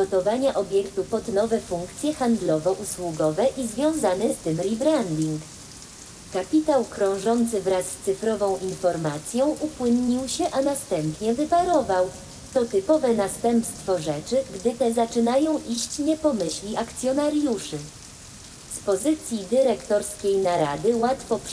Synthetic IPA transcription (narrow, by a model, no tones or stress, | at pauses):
ɡɔt̪ɔvaɲaʔɔbʲjɛkt̪upɔd̪nɔvɛfuŋkt̪sʲjɛxand̪lɔvɔʔuswuɡɔvɛʔizvʲjɔ̃w̃zanɘst̪ɘmɾʲibɾand̪iŋk | kapʲit̪awkɾɔ̃w̃ʐɔnt̪sɘvɾasːt̪sɘfɾɔvɔ̃w̃ʔinfɔɾmat̪sʲjɔ̃w̃ʔupwɘnɲiwɕɛʔanast̪ɛmpɲɛvɘpaɾɔvaw | t̪ɔt̪ɘpɔvɛnast̪ɛmpst̪fɔʐɛt͡ʂɘɡd̪ɘt̪ɛzat͡ʂɘnajɔ̃w̃ʔiɕt͡ɕɲɛpɔmɘɕlʲiʔakt̪sʲjɔnaɾjuʂɘ | spɔzɘt̪sʲjid̪ɘɾɛkt̪ɔɾskʲejnaɾa̰d̪ɘwat̪fɔp